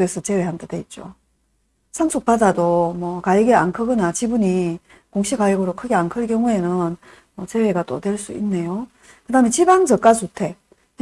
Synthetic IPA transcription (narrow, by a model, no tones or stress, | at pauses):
esʰʌt͡ɕe̞we̞ɦandadwe̞it̚t͡ɕ͈o̰ | sʰansʰuk̚p͈adadomwʌkaiɡea̰nkʰɯɡɯnat͡ɕibuɲi | koŋɕʰiɡajiɡɯɾokʰɯɡeankʰɯɭk̬jʌŋue̞nɯn | mʌt͡ɕe̞we̞ɡat͈otwe̞ɭs͈ṵḭnːe̞jo | kɯdaɯmet͡ɕiband͡ʑʌk͈asʰutʰe̞